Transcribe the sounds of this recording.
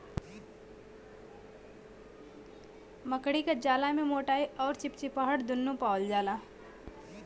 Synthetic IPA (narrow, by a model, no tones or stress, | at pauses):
məkɽikad͡ʒaːlamẽmoːʈaːiɔːɾt͡ʃɪp̚t͡ʃipəɦəɽd̪ʊnːũpaːwld͡ʒaːla